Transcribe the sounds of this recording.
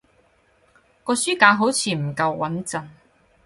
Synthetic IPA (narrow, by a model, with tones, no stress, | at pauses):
kɔː˧syː˥kaː˨˧˥ɦo˨˥wt͡sʰiː˨˧m̩˨˩kɐ˧wwɐ˨˥nt͡sɐ˧n